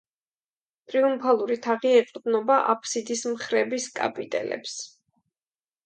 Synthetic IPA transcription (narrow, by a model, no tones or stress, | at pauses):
t̪ʼɾiumpʰalˠuɾit̪ʰaʁiɛqʼd̪nɔbaʔapʰsid̪ismχɾɛbiskʼa̰pʼit̪ʼɛ̰lɛ̰ps